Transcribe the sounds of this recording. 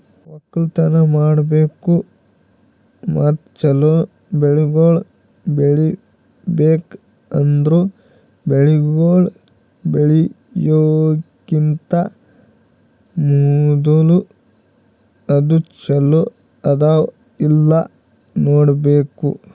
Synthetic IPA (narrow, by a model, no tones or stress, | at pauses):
ɔkːɐlt̪ɐnɐmaːɽbeːku | maːt̪̚t͡ʃɛlo | beɭiɡoːɭ | beɭi | beːk | ɐnd̪ɾu | beɭiɡoːɭ | beɭi | joːɡint̪ɐ | mud̪ulu | ɐd̪ut͡ʃɛlo | ɐd̪aː | ilːɐ | noːɽbeːkṵ